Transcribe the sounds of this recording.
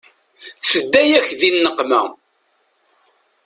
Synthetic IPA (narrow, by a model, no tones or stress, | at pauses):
θəd̪ːæjæçðinːəqːmæ̰